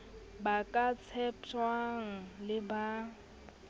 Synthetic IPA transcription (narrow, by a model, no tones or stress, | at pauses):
bakʼat͡sʰɛpt͡sʰwaŋ̩lɪba